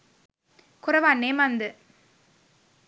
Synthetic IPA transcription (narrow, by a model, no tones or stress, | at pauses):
kʊɾɐʋaːnːemand̪ɯ